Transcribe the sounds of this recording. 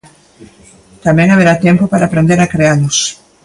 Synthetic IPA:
t̪amɛ̃ŋaβeɾat̪empopaɾaːpɾend̪eɾakɾealʊs

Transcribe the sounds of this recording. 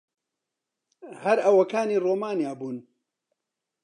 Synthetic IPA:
hɐɾɐwɐkaːniːroːmaːnjaːbuːn

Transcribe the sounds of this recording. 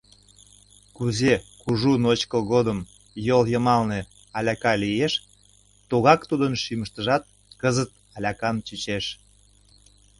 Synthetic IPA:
kuzekuʒunot͡ɕkəɣod̪əm | joljəmɑlne | ɑlʲɑkɑlijeʃ | t̪oɣɑkt̪ud̪ənʃiməʃt̪əʒɑt̪̚ | kəzət̪̚ | ɑlʲɑkɑmt͡ɕyt͡ɕeʃ

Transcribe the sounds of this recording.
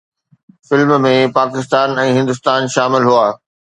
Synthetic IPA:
fɪlmmẽpaːkɪst̪aːnɛ̃ːɦɪ̃nd̪ʊst̪aːnʃaːmɪlɦuaː

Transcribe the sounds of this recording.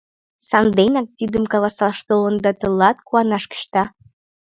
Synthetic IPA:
sɑnd̪enɑk̚t̪id̪əmkɑlɑsɑlʃt̪olənd̪ɑt̪əlɑt̪kuɑnɑʃkə̥ʃt̪ɑ

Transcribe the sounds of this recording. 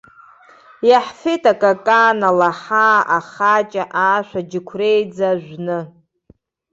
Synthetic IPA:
jaħfetʰakʼakʼaːnalaħaʔaχat͡ʃʼaʔaːʃʷᶣad͡ʒɪkʷʰrejd͡zaʒᶣʷnɨ

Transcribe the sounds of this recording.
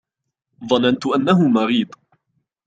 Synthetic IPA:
ðˤɑnant̪ʊʔanːaɦʊmɑɾiːd̪ˤ

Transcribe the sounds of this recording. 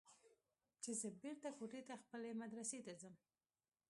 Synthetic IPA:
t͡ʃezəbeɾt̪akoʈet̪axpəlemad̪ɾaset̪azəm

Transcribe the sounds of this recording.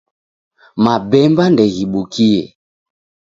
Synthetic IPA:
mabɛmbandɛɣiɓukʰiɛ

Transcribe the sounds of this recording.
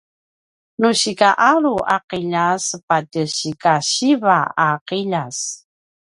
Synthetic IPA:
nuɕikaʔaɾuʔaqiʎasəpatəɕikaɕivaaqiʎas

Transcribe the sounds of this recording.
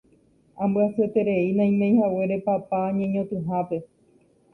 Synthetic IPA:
ãmbɨaset̪e̞ɾe̞inãj̃mẽj̃hawe̞ɾe̞papaːɲẽɲõt̪ɨɦape̞

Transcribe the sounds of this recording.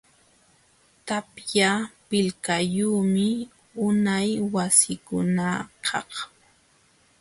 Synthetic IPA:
t̪apjapɪlkajuːmɪ | ʊnajwasɪkʊnaqʰɑ̰h

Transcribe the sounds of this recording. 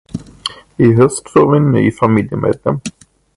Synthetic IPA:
ɪɦœst̪sovɪnːy̰ːfamiljəmḛːd̪lɛm

